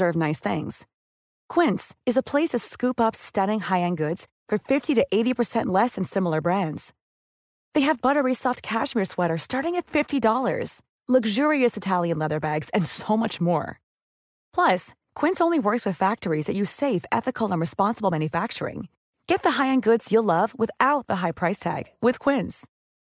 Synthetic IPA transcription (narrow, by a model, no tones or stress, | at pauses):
ɜ˞vnaɪsθɪ̰̃ŋz̥ | kʰw̥ɪ̃ntsɨzəpʰl̥eɪsʌv̥skʉpʌpstʌɾɪ̃ŋhaɪɨ̃nɡʊdz̥fə˞fɪftiɾɨʔeɪɾipʰə˞sɛ̃nʔˡlɛsɨ̃n̩sɪ̃ml̩ˠə˞bɹæ̃ndz̥ | ðeɪɨvbʌɾə˞isɔft̚kʰæʃmɪɹswɛɾə˞stɑɹɾɪ̃ŋɨtfɪftidɔlˠə̰˞z̥ | lʌɡʒʊɹiɨsɨtʰælˠjɨ̃nlɛðə˞bæɡz̥ɨ̃nsoʊmʌt͡ʃmɔ̰ɹ | pʰl̥ʌs | kʰw̥ɪ̃nsõʊ̃nliwɜ˞kswɨð̥fæk̚tə˞izðɨt͡ʃɨ̥seɪfɛ̰θɨkʰl̩ˠə̃nɹɨspɑ̃nsəbl̩ˠmæ̃njɨfæk̚t͡ʃə̰˞ɪ̰̃ŋ | ɡ̥ɛt̪̚ðəɦaɪɨ̃nɡʊdz̥jɨlʌvwɨθaʊt̪̚ðəɦaɪpʰɹ̥aɪstʰæ̰ɡ̥wɨð̥kʰw̥ɪ̃nz̥